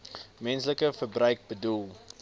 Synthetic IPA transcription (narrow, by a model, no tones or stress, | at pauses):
mɛnsləkəfərbrəɥk̚bədulˠ